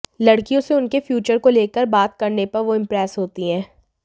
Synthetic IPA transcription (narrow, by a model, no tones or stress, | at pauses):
lɐɽkijõseʊnkefjuːt͡ʃəɾkoleːkəɾbaːt̪kɐɾnepɐɾʋoɪ̃mpɾɛːsɦoːt̪iɦɛ̃ː